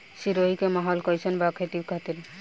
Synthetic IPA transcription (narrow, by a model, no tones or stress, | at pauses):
ʃiɾoikemaɦɔlkɔjsʰɔnbakʰet̪ibkʰat̪iɾ